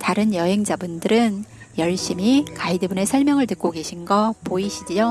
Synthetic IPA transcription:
taɾɯnjʌɦe̞ŋd͡ʑabundɯɾɯnjʌɭɕ͈imikaidɯbune̞sʰʌɭmjʌŋɯɭtɯk͈̚oɡe̞ɕʰinɡʌpoiɕʰid͡ʑio

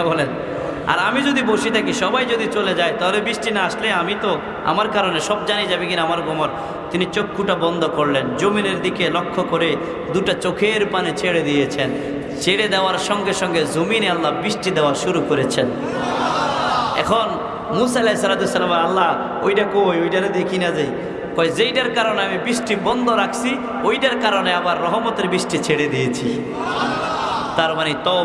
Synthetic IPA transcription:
bolen | a̰ɾamid͡ʑod̪iboʃit̪ʰakiʃɔbajd͡ʑod̪it͡ɕoled͡ʑajt̪aɦolebiʃʈinaaʃleamit̪o | a̰maɾkaɾoneʃɔb̚d͡ʑanid͡ʑabekinamaɾɡʱomoɾ | t̪init͡ɕokːuʈabɔnd̪ʱokoɾlenzomineɾd̪ikelokʰːokoɾe | d̪uʈat͡ɕokʰeɾpanet͡ɕeɽed̪ijet͡ɕʰen | t͡ɕeɽed̪ɛoaɾʃɔŋɡeʃɔŋɡezominealːabɾiʃʈid̪ɛwaɾʃuɾukoɾet͡ɕʰen | ɛ̰kʰon | muːsaelɛjsaɾad̪iosalamaalːa | ojʈakojojʈaɾed̪ekʰinad͡ʑaj | kɔezejʈaɾkaɾoneamibɾiʃʈibɔnd̪ʱoɾakʰsi | ojʈaɾkaɾoneabaɾːɔɦɔmɔt̪eɾbisʈit͡ɕʰeɽed̪ijet͡ɕʰi | t̪aɾmanit̪ɔ

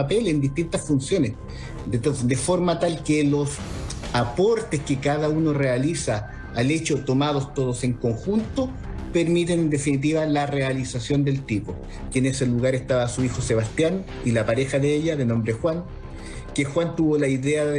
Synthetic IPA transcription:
apelend̪iht̪int̪asfunsjo̞nes | d̪efo̞ɾmat̪alkelosapo̞ɾt̪eskekaðaunorealisaː | let͡ʃot̪omað̞ost̪oðose̞ŋko̞ŋxunt̪o | peɾmit̪̬enend̪e̞finit̪̬iβalarealisasjo̞nd̪e̞lt̪ipo | keːneseluɣaɾest̪aβasuixoseβast̪jan | ilapaɾexaðeeʎaðeno̞mbɾexwaŋ | kexwant̪uβolaiðea

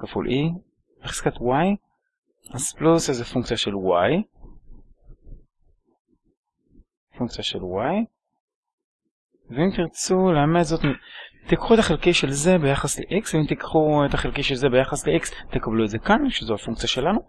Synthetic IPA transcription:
kafṵlʔi | eχskat̪waj | az̥plusezefuŋk̚t͡siaʃe̞lwaj | fuŋk̚t͡sijaʃelwaj | veimt̪iʁt͡suleametzot̪mit̪ikχuetaχelkiʃelze̞be̞jaχasle̞̰ʔiksvimt̪ikχuet̪aχelkiʃelze̞bejaχasleʔikst̪ekablueze̞kanʃezoafuŋk̚t͡sijaʃe̞lanu

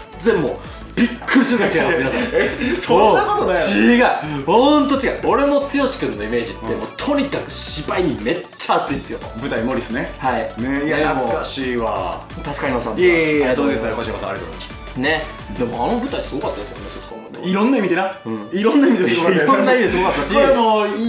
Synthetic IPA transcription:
d͡zẽmːo | b̥ʲikːɯɾisɨɡat͡ɕiɡajmasminasasonːakot̪onaiɡaihõnt̪̬ot͡ɕiɡaio̞ɾe̞no̞t͡sɨjo̞ɕi̥kɯ̟̃nːo̞ime̞ːd͡ʑit̪ːe̞moːt̪ʰo̞ɲ̟ikakɯ̟ɕibaiɲ̟ime̞t͡ɕt͡ɕːaːt͡sɨĩd̪esɨjobɯ̟t̪aimo̞ɾʲisɨnehainejaenaɨkaɕiːβa̰ | t̪asɨ̥kaɾimasãnesoːd̪esɨkaɾkoɕiakosãa̰ɾet̪od̪ | ne̞ | d̪e̞mo̞ano̞bɯ̟t̪aisɨɡo̞kat̪ːad̪esɨka̰nesskõ̰noḛiɾõnːaimʲid̪enaɯ̃ɴiɾõnːaimʲid̪eɡoɾkiɾõnːaimʲid̪esɨɡokat̪ːemo

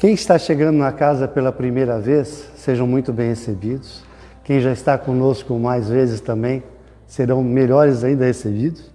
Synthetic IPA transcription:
kẽj̃ɪst̪aʃeɡɐ̃nd̪ʊnɐkazɐpelɐpɾimejɾɐvesː | eʒɐ̃w̃mũj̃t̪ʊbẽj̃hesebid̪ʊs | kẽj̃ʒaɪst̪akõnoskʊmajzvezɪst̪ɐ̃mbẽj̃ | seɾɐ̃w̃meʎɔɾɪzaĩnd̪ɐhesebid̪ʊs

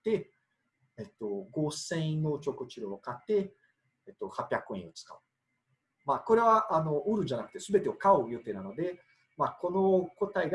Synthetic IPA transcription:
t̪ːe̞ | et̪ːo̞ɡo̞ːsẽ̞ĩnot͡ɕo̞ːkɯ̟t͡ɕiɾoːkat̪ːe̞ː | t̪ːo̞hapʲːjakːoẽot͡sɨ̥ka̰ɯ̟ | maːko̞ɾe̞βaʔano̞ʔɯ̟ɾɯ̟ʑanakɯ̟̥t̪e̞sɨbe̞t̪e̞okaojo̟t̪eɾano̞d̪e̞ | mako̞no̞ko̞t̪aiɡ

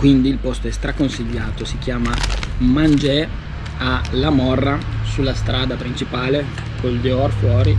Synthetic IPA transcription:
kwind̪iːlpost̪oɛst̪ɾakonsiʎːaːt̪osik̟jaːmamand͡ʒɛ | alamɔrːasulːast̪ɾaːd̪apɾint͡ʃipaːle | kold̪eɔrfwɔːɾi

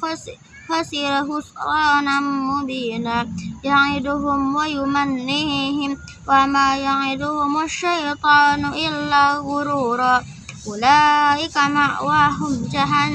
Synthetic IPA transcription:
xasiɾaɦʊsɑːnammʊbiːnajaʕid̪ʊɦʊmwajʊmanːiɦɪm | wamajaʕid̪ʊhʊmaʃːajt̪ˤɑːnʊʔɪlːaɣʊɾuɾa | ʔʊlaːʔɪkamaʔwaɦʊmd͡ʒaɦan

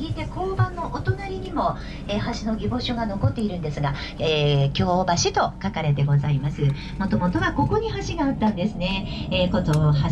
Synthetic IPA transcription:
it̪e̞ko̞ːbãnːo̞ʔot̪o̞naɾʲiɲ̟imo̞ | e̞haɕino̞ɡʲibo̞ɕoɡano̞ko̞t̪ːe̞iɾɯ̟nd̪e̞sɨɡa | eːkʲo̞ːbaɕit̪o̞kakaɾe̞t̪e̞ɡo̞zaimasɨ | mo̞t̪o̞mo̞t̪o̞βako̞ko̞ɲ̟iɦaɕiɡaːt̪ːãnd̪e̞sɨne̞ekot̪oha

